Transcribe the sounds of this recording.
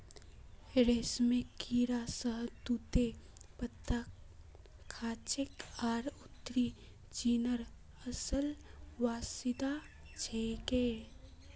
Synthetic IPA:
ɾeːsmẽkiːɾasəɦt̪ut̪e | pət̪ːa | kʰaːt͡ʃɪkaːɾʊt̪ːɾi | t͡ʃiːnəɾ | əsəlʋaːsɪd̪a | t͡ʃʰeɡeː

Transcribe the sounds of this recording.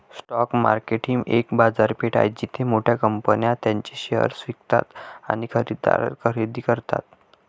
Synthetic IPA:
sʈɔkma̰ɾkeʈiŋɡekbad͡zaɾpeʈa̰jt͡ɕit̪ʰemoʈʰjakəmpənjãt̪jãɲt͡ɕiɕeə̰ɾsʋikt̪a̰t̪a̰ñikʰəɾid̪a̰ɾə̰ɾkʰəɾid̪iːkəɾt̪a̰t̪

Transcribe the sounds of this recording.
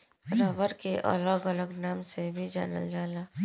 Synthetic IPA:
ɾəʋəɾkeʔɐ̰ləɡələɡnaːmsebʱid͡ʒa̰ːnə̰ld͡ʒaːlaː

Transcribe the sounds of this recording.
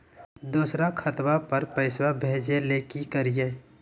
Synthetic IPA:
d̪uːsɾakʰɐt̪wapɐɾpəɪswabʱeːd͡ʒelekikəɾijeː

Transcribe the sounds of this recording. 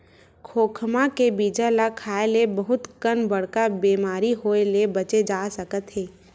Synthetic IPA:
kʰoːkʰmakebiːd͡ʒəlakʰaːelebɐɦʊt̪kənbɐɽ̤kabiːmaːɾiɦoːelebɐt͡ʃed͡ʒaːsəkət̪ɦeː

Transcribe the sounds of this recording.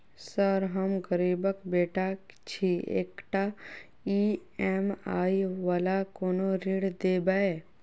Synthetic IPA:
səɾɦəmɡəɾiːbəkbeːʈat͡ʃʰiḛːkʈa | iɛːmaːiʋalakoːnoɾiːɽd̪eːbae

